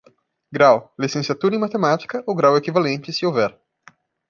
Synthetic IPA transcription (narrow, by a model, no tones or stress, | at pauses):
ɡɾawlisẽsiat̪uɾɐɪ̃mat̪emat͡ʃi̥kɐoɡɾawekivalẽnt͡ʃɪsɪowvɛɾ